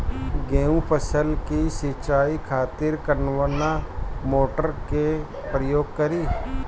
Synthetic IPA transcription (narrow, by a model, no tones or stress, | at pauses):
ɡeːũpəsəlkisit͡ʃaːikʰaːt̪ɪɾkəɾnʋənamoːʈəɾke | pɾəjoːɡ̚kəɾiː